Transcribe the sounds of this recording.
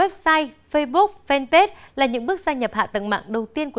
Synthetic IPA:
wɛ˦˥p̚saː˧jfə˧jɓu˦˥k͡p̚fɛ˧npe˦˥t̚laː˨˩ɲɨ̰˧˥ŋɓɨ˦˥ək̚zaː˧jɲə˨˩p̚ha̰ː˧˨t̪ə̰˧˨ŋma̰ː˧˨ŋɗə˨˩wt̪i˧ənku˧˩

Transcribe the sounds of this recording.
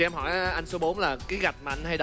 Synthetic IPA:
ɛ˧mhɔ̰˧˩jʔʔa˧jŋ̟so˨˦ɓo˨˦nlaː˨˩kaː˨˦jɣa˨˩t̚maː˨˩ʔa˧jn̟ɦa˧jɗə˧

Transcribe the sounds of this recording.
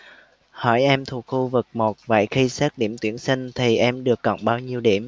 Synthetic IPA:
hɔ˧˩jʔɛ˧mt̪ʰu˨˩k̚xu˧vɨ˨˩k̚mo˨˩t̚və̰ː˧˨jxi˧sɛ˦˥t̚ɗi˧˩əmt̪wi˧˩ənsï˧ŋ̟t̪ʰi˨˩ʔɛ˧mɗɨ˨˩əkːɔ̰˧˨wŋ͡mɓaː˧wɲi˧əwɗi˧˩əm

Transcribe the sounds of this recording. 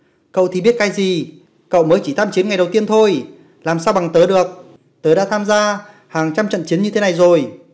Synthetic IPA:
kə̰˧˨wt̪ʰi˨˩ɓi˦˥ət̚kaː˨˦jzi˨˩ | kə̰˧˨wməː˨˦jt͡ɕi˧˩t̪ʰaː˧mt͡ɕi˨˦ənŋa˨˩jɗə˨˩wt̪i˧ənt̪ʰo˧j | laː˨˩msaː˧wɓa˨˩ŋt̪əː˨˦ɗɨ˨˩ək̚ | t̪əː˨˦ɗa̰ː˧˥t̪ʰaː˧mzaː˧ | haː˨˩ŋt͡ɕa˧mt͡ɕə̰˧˨nt͡ɕi˨˦ənɲɨ˧t̪ʰe˨˦na˨˩jzo˨˩j

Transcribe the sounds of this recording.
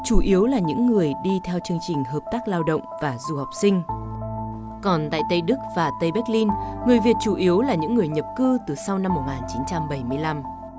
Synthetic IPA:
t͡ɕu˧˩ʔi˨˦əwlaː˨˩ɲɨ̰˧˥ŋːɨ˨˩əjɗi˧t̪ʰɛ˧wt͡ɕɨ˧əŋt͡ɕï˨˩ŋ̟ɦəː˨˩p̚t̪aː˦˥k̚laː˧wɗə̰˧˨wŋ͡mvaː˨˩zu˨˩ha˨˩wk͡p̚sï˧ŋ̟ | kɔ˨˩nt̪a̰ː˧˨jt̪ə˧jɗɨ˦˥k̚vaː˨˩t̪ə˧jɓɛ˦˥k̚li˧nŋɨ˨˩əjvi˨˩ət̚t͡ɕu˧˩ʔi˨˦əwlaː˨˩ɲɨ̰˧˥ŋːɨ˨˩əjɲə˨˩p̚kɨ˧t̪ɨ˨˩sa˧wna˧mːo˨˩t̚ŋaː˨˩nt͡ɕi˨˦nt͡ɕa˧mɓə˧˩jmɨ˧əjla˧m

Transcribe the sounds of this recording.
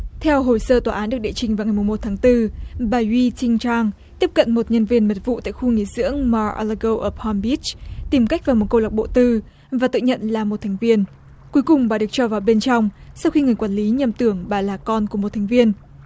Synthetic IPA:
t̪ʰɛ˧wɦo˨˩jsəː˧t̪waː˨˩ʔaː˨˦nɗɨ˨˩ək̚ɗḛ˧˨t͡ɕï˨˩ŋvaː˨˩ŋa˨˩jmʊ˨˩ŋ͡mmo˨˩t̚t̪ʰaː˨˦ŋt̪ɨ˧ɓaː˨˩wi˧t͡ɕï˧ŋt͡ɕaː˧ŋ | t̪i˦˥əp̚kə̰˧˨nmo˨˩t̚ɲə˧nvi˧ənmə˨˩t̚vṵ˧˨t̪a̰ː˧˨jxu˧ŋḭ˧˩˨zɨ̰˧˥əŋma˧ʔa̰˧lə˧ɣo˧wʔəː˧˩pʰɔ˧mbi˦˥t͡ɕt̪i˨˩mka˦˥k̚vaː˨˩mo˨˩t̚kə˧wla˨˩k͡p̚ɓo̰˧˨t̪ɨ˧ | vaː˨˩t̪ɨ̰˧˨ɲə̰˧˨nlaː˨˩mo˨˩t̚t̪ʰɛ˨˩ŋ̟vi˧ən | ku˨˦jkʊ˨˩ŋ͡mɓaː˨˩ɗɨ˨˩ək̚t͡ɕɔ˧vaː˨˩wɓe˧nt͡ɕɔ˧wŋ͡msa˧wxi˧ŋɨ˨˩əjkwaː˧˩nli˨˦ɲə˨˩mt̪ɨ˧˩əŋɓaː˨˩laː˨˩kɔ˧nku˧˩əm˨˩t̚t̪ʰɛ˨˩jŋ̟vi˧ən

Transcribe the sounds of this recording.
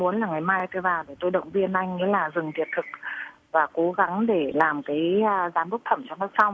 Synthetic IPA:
mu˨˦ənlaː˨˩ŋa˨˩jmaː˧jt̪ːvaː˨˩ve˨˩t̪o˧jɗə̰˧˨wŋ͡mvi˧ənʔa˧jŋ̟ŋḭ˧˥laː˨˩zɨ˨˩ŋt̪ʰi˨˩ət̚t̪ʰɨ˨˩k̚ | vaː˨˩ko˨˦ɣa˨˦ŋɗe˧˩laː˨˩mkaː˨˦jzaː˨˦mɓə˦˥k͡p̚t̪ʰə˧˩mt͡ɕɔ˧wnɔ˧˦sa˧wŋ͡m

